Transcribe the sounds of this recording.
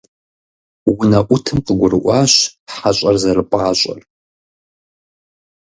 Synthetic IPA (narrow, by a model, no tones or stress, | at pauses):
wʊnɐʔʷʊtʰɨmqəɡʷʊɾɨʔʷɑːɕħaɕʼɐrzɐrɨpʼɑːɕʼɐ̰r